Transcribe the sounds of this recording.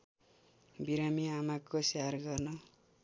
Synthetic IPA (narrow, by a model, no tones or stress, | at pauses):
biɾamiamakːosearɡʌrnʌ